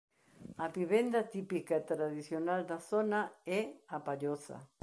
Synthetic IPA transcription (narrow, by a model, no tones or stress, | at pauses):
aβiβend̪at̪ipikaet̪ɾaðisjonald̪asonaeapaʎosa̰